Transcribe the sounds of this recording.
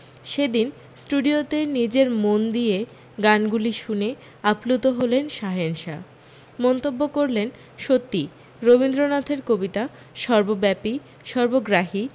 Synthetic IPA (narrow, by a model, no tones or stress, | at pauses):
ʃed̪in | sʈuɖiot̪enid͡ʑeɾmond̪ie | ɡanɡuliʃune | aplut̪oɦolenʃaɦenʃa̰ | mɔnt̪obːokoɾlen | ʃot̪ːi | ɾobind̪ɾonat̪ʰeɾkobit̪a | ʃɔɾbobɛpi | ʃɔɾboɡɾaɦi